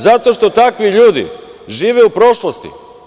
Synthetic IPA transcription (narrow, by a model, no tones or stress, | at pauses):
zat̪o̞ʃt̪o̞t̪akʋiʎuːd̪ḭʒiːʋeupɾo̞ʃlost̪ḭ